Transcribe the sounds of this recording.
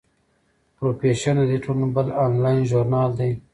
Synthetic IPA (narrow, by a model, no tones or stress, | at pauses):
pɾopeʃanad̪iʈʰolnbəlɑnlɑjnʒoɾnɑːld̪aj